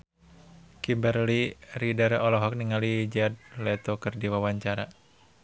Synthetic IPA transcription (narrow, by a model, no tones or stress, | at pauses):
kimbərliridarɔlɔɦɔk̚niŋalid͡ʒad̪̚lɛt̪okɨrdiwawaɲt͡ʃaɾa